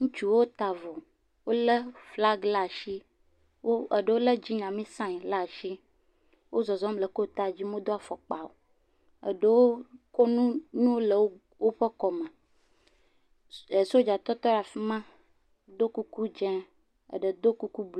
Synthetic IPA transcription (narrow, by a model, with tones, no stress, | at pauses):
ŋũ˦t͡ʃu˨wo˦o˦t̪a˨vɔ˨ | wo˦lə˦fla˦ɡla˦˨ʃi˦ | wo˦ə˨ɖə˦wo˦lə˦d͡ʑi˦ɲã˨mĩ˦sã˦ɲ˨la˦˨ʃi˦ | wʔo˦zɔ˨zɔ˦mlə˨ko˦˨t̪a˦˨d͡ʑi˦mõ˦d̪o˦a˨fɔ˨k͡pa˨wo̰˨ | ə̰˨ɖə˦wo˦ko˦nũ˦nũ˦wo˦lə˨wo˦ | wo˦ɸə˦kɔ˨mə˨ | e˨so˦d͡ʒa˨t̪ɔ˦t̪ɔ˦ɾa˨fi˦mã˦ | d̪o˦ku˦ku˦d͡ʒɛ̃˦ | ə̰˨ɖə˨d̪o˦ku˦ku˦bl